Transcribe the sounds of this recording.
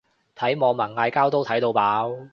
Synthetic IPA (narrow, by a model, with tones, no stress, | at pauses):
t̪ʰɐ˨˥jmɔː˨˧ŋmɐ˨˩nŋaː˧jkaː˥wt̪o˥wt̪ʰɐ˨˥jt̪o˧wpaː˨˥w